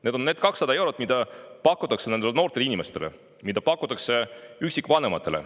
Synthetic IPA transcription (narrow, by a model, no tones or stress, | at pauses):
ne̞ːd̪o̞nːe̞ːd̪̥̚kɑksːɑd̪ɑe̞wɾot̪̚ːˑmid̪̥ɑpɑkːˑut̪ːˑɑkse̞ned̪eleno̞ːrt̪elinime̞st̪e̞lḛ | mid̪̥ɑpɑkːˑut̪ːˑɑkse̞yksikːvɑne̞mɑt̪ːˑe̞le̞̰